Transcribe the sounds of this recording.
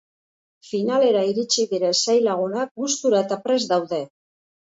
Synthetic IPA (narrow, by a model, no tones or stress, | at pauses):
finale̞ɾaiɾit͡ʃiðiɾesajlaɣ̞unak̚ɡust̪uɾaet̪apɾe̞zd̪awðe̞